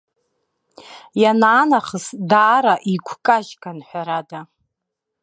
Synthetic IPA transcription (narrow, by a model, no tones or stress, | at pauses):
janaːnaχəsdaːɾaʔiɡʷʰkʼaʒɡʼanħʷaɾada